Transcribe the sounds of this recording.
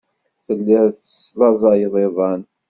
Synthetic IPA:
θəlːɪɾθəslɑzˤɑjəðˤeðˤɑn

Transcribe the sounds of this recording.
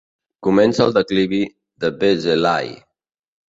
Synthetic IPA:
kumɛnsəlˠd̪əkliβi | ðəbezela̰j

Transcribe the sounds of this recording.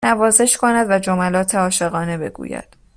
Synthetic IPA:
ævɒːze̞ʃkʰonæd̪væd͡ʒo̞mælɒːt̪ʰeɒːʃe̞ɣɒːne̞be̞̰ɡṵːjæ̰d̪̥

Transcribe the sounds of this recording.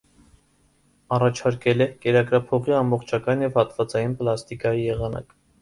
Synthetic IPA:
ɑrɑt͡ʃʰɑɾkɛlɛkɛɾɑkɾɑpʰɔʁiɑmbɔχt͡ʃʰɑkɑnjɛvhɑt̪vɑt͡sɑjinpəlɑst̪ikɑjijɛʁɑnɑ̰k

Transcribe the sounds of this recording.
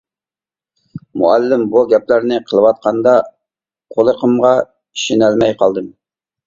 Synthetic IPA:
mṵælːɪmbuɡʲɛplæɾnɪqʰəlˠəwɑt̪̚qɑnd̪ɑ | qʰolˠəqʰəmʁɑ | iʃinælmɛjqʰɑlˠd̪ɨm

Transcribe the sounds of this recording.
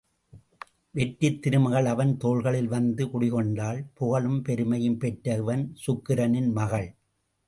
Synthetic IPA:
ʋɛʈːɪt̪ːɪɾɯmɐɣɐɭɐʋɐnt̪oːɭɣɐɭɪlʋɐnd̪ɯkʊɽɪɣɔɳɖaːlpɔɣɐɭɯmpɛɾɯmɐjɯmpɛʈɾɐʋɐnsʊkːɪɾɐnɪnmɐɣɐɭ

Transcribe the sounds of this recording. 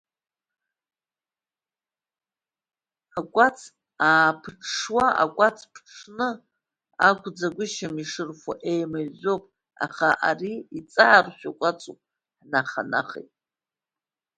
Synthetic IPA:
akʷʼat͡sʰ | aːpʰʈ͡ʂʰʂwaʔa̰kʷʼat͡sʰpʰʈ͡ʂʰnɨ | a̰kʷʰd͡zaɡʷʊʃamiʂɨrχʷa̰ʔejmazopʼ | a̰χaʔa̰riit͡sʼaʕarʃʷᶣakʷʼat͡sʼupʼ | ħnaχa̰na̰χḛjtʼ

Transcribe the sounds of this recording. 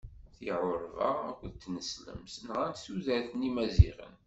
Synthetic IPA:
θiʕʊɾvæ̰ækʷðt̪ːnəslə̰msənʁænsuðæθənimæzḭʁə̰n

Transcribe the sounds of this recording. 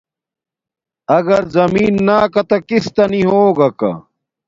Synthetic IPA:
ɐɡɐɾzɐmiːnːaːkɐt̪ɐkist̪ɐniɦoːɡɐka̰

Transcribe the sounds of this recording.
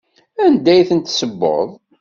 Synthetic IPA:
ænd̪æjθənt̪səbːo̰ðˤ

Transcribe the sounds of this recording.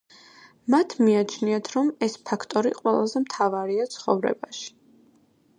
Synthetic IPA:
mat̪ʰmiat͡ʃʰniat̪ʰɾɔmɛspʰakʰt̪ʼɔɾḭqʼwɛ̰lˠazɛmt̪ʰavaɾiat̪sʰχɔ̰vɾɛ̰baʃi̥

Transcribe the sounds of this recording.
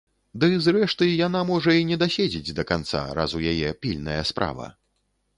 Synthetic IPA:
d̪ɨzɾɛʂt̪ɨjanamɔʐɐinʲɛd̪asʲed͡zʲid͡zʲd̪ɐkant̪sa̰ɾa̰zujajɛpʲilʲnɐjɐspɾʔa̰vɐ̰

